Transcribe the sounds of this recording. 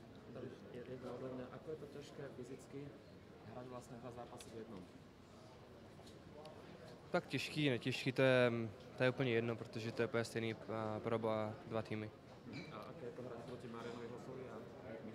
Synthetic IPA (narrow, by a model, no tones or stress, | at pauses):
t̪ | ɛjɛd̪naɔd̪labɲaʔakɔjɛt̪ɔcaʃkɛːfizit͡ski | ɦɾaɟʋlast̪ɲɛd̪ʋazaːpasivjɛd̪nɔm | t̪akcɛʃkinɛcɛʃkit̪ɔjɛ | t̪ɔjɛuːpl̩ɲɛjɛd̪nɔpɾɛt̪ɔʒɛt̪ɔjɛpɔjastɛniːpɾɔbɔd̪ʋat̪iːmi | aʔa̰kɛjɛt̪ɔɦɾacpɾɔcimaɾɪanɔʋiɦasɔʋia